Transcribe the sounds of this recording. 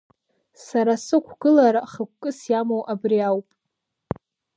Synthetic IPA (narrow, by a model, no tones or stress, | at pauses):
saɾasɨkʷʰɡ̥ɨlaɾaχəkʷkʼɨsjamowʔabriawpʼ